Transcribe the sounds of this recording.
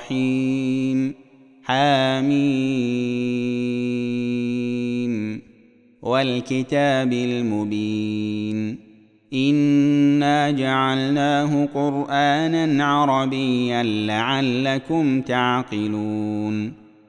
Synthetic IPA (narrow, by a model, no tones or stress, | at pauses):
i | m | ħaːmiː | m | walkɪt̪aːbɪlmʊbiːn | ʔɪnːaːd͡ʒaʕalnaːɦʊqʊɾʔaːnanʕɑɾˤɑbɪjːanlaʕalːakʊmt̪aʕqɨluːn